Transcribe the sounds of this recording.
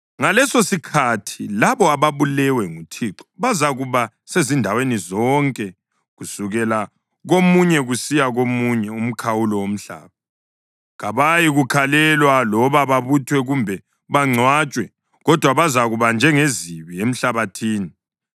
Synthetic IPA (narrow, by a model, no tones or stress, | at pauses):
ŋalɛsosikʰatʰilaβɔaβaβulɛwɛŋutʰiǁɔ̥βazaɣuβa | sezindʱawenizɔŋkʼɛ | ɣusuɣɛla | ɣomuɲɛɣusijaɣomuɲɛum̩kʰawulɔwom̩ɬa̰ːβa | ɣaβajiɣukʰalɛlwalɔβaβaβutʰwɛɣumbʱɛ | βaŋ͡ǀʱwat͡ʃʼwɛ | ɣɔd̥ʱwaβazaɣuβand͡ʒʱɛŋeziβiem̩ɬaβatʰiːni